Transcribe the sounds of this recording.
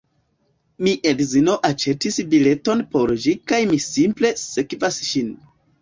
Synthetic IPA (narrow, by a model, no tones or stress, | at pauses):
miʔedzino̞ʔat͡ʃe̞tisbile̞to̞npo̞ɾd͡ʒikajmisimple̞sekvasʃin